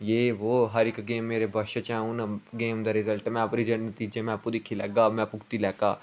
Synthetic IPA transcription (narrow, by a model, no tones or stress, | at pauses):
jeːʋoːɦɐɾɪkɡeːmːeːɾebʱɐʃɐt͡ʃɛ̃ʊnɡeːmd̪ɐɾɪzəlʈmɛ̃ɐpɾid͡ʒɐɽnɐt̪iːd͡ʒẽmɛ̃pʊɾikʰilɛ̰ːɡaːmɛ̃pʊkt̪ilɛːkaː